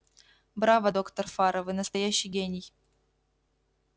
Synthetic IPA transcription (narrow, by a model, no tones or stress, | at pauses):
bɾavɐd̪okt̪ərfaɾəvɨnəst̪ɐjæɕːɪjɡʲenʲɪj